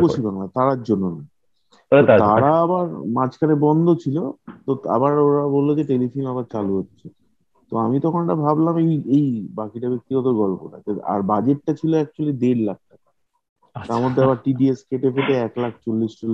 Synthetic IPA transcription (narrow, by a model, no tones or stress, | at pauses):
koʃibaŋlat̪aɾaɾd͡ʑonːona | oaɾaabaɾmat͡ɕkʰanebɔnd̪ʱot͡ɕʰilot̪oa̰baɾoɾabolːod͡ʑeʈelifʰunabaɾt͡ɕaluɦotːɕʰe | t̪oamit̪ɔkʰonʈabʱablamejejbakiʈabek̚t̪iɡɔt̪oɡɔlpo̰ʈa̰d͡ʑea̰ɾbad͡ʑeʈ̚ːat͡ɕʰiloɛk̚t͡ɕualid̪eɾlak̚ʈaka | t̪aɾmod̪ʱːeabaɾʈiɖieskeʈepʰeʈeɛklak̚ʰt͡ɕolːisʈol